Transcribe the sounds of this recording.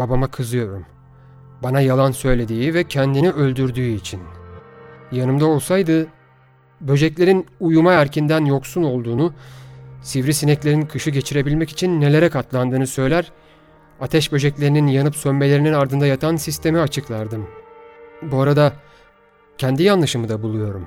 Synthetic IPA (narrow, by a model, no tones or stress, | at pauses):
b̥abamakʰɯzɯjo̞ɾum | banajalˠansø̞jlʲe̞d̪iːivɛcʰɛnd̪iniø̞lʲd̪yɾd̪yːit͡ʃʰin | janɯmd̪ao̞lˠsajd̪ɯ | bø̞d͡ʒɛclʲe̞ɾinujumaæɾcʰind̪ænjo̞ksuno̞lˠd̪uːnu | sivɾisinɛclʲe̞ɾinkʰɯʃɯɟe̞t͡ʃʰiɾe̞bilʲmɛci̥t͡ʃʰinːe̞lʲe̞ɾɛkʰat̪lˠand̪ɯːnɯsø̞jlʲæɾ | at̪ʰɛʃbø̞ʒɛclʲe̞ɾininjanɯpsømme̞lʲe̞ɾininaɾd̪ɯnd̪ajat̪ʰansist̪ʰe̞miat͡ʃʰɯklˠaɾd̪ɯm | buaɾad̪a | cʰɛnd̪ijanlˠɯʃɯmɯd̪abulˠujo̞ɾum